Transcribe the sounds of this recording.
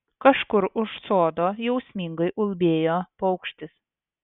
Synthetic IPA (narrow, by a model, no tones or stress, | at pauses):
kɐʃkʊɾʊʃsoːd̪oːjɛʊsʲmʲiŋɡɐɪʔʊlʲˠbʲeːjoːpɐʊkʃʲt̪ʲɪs